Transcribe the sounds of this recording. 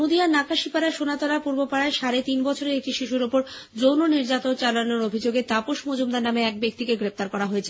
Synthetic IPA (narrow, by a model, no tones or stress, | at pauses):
od̪ianakaʃipaɾaʃonat̪olapuɾbopaɽaeʃaɾet̪inbɔt͡ɕʰoɾeek̚ʈiʃiʃuɾopoɾd͡ʑownoniɾd͡ʑat̪ont͡ɕalanoɾobʱid͡ʑoɡet̪apoʃmod͡ʑumd̪aɾnameɛk̚bek̚t̪ikeɡɾep̚t̪aɾkɔɾaɦoet͡ɕʰe